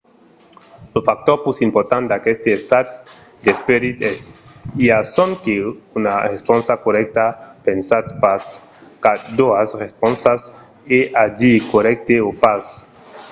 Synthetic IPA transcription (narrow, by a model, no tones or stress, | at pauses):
lofak̚t̪oɾpusimpoɾt̪and̪akɛst̪iest̪at̪̚ | d̪espeɾit̪ɛsiasɔnkeunarespɔnsakoɾɛk̚t̪apensaspas | kad̪oasrespɔnsas | eʔad͡ʒikoɾɛk̚t̪eofas